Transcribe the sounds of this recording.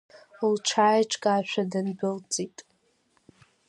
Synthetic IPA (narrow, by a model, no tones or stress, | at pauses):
lʈ͡ʂʰaːjʈ͡ʂʰʼkʼaʃʷᶣadɨnbɨlt͡sʼitʼ